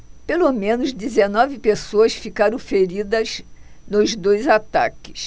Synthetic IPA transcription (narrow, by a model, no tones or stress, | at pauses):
pelomẽnʊzd̪izenɔvɪpesoɐsfikaɾɐ̃w̃feɾid̪ɐznʊzd̪ojzat̪a̰kɪ̥s